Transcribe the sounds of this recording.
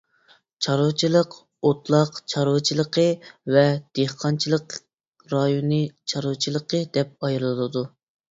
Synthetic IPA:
t͡ʃʰɑɾut͡ʃʰilˠəq | ot̪lˠɑqt͡ʃʰɑɾwt͡ʃʰilˠəqʰəvɛd̪̥eχqʰɑnt͡ʃʰilˠəq | ɾɑjonɨt͡ʃʰɑɾut͡ʃʰilˠəqʰəd̪ɛp̚ɑjɾɨlˠɨlˠɨd̪u

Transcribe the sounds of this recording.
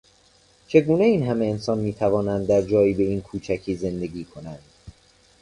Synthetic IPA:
t͡ʃʰe̞ɡuːne̞iːnɦæme̞ːnsɒːnmiːt̪ʰævɒːnænd̪ːæɾd͡ʒɒːiːbe̞iːnkʰuːt͡ʃʰækʰiːze̞nd̪e̞ɡiːkʰo̞nænd̪̥

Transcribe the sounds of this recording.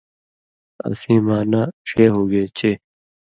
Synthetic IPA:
ɐ̰sĩːmaːnaːʂeːɦoːɡeːt͡ɕʰeː

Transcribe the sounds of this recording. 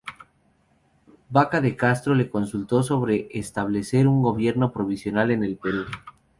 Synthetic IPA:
bakaðe̞kast̪ɾo̞le̞ko̞nsult̪o̞s̬o̞β̞ɾe̞ʔːst̪aβ̞le̞se̞ɾuŋɡo̞β̞je̞ɾno̞pɾo̞β̞isjo̞nale̞ne̞lpe̞ɾu

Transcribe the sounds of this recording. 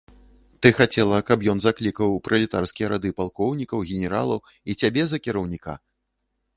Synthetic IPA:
t̪ɨxat͡sʲɛlˠɐkɐpjɔnzaklʲikɐwpɾʔɐlʲit̪arskʲijɐɾad̪ɨpalˠkɔwnʲikɐwɣʲɛnʲɛɾa̰lˠɐ | it͡sʲabʲɛzɐkʲiɾɐwnʲika̰

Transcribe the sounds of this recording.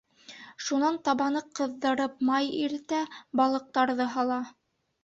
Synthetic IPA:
ʃunɑnt̪ɑβɑnɤqɤ̆ðːɤ̆ɾɤpmɑjiɾt̪æbɑlˠɤ̆q̚t̪ɑɾðɤɦɑlˠɑ

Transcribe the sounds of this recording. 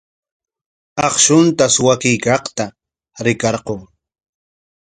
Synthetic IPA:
ɑχʃʊnt̪aswakɪjkɑqt̪a | ɾɪkɑɾqoŋ

